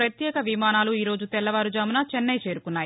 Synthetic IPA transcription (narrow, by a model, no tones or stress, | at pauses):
ɾɐt̪jɛːkɐʋimaːnaːluiːɾo̞ːd͡ʒut̪ɛlːɐʋaːɾud͡ʒaːmunɐt͡ʃɛnːɐjt͡ʃe̞ːɾukunːaːji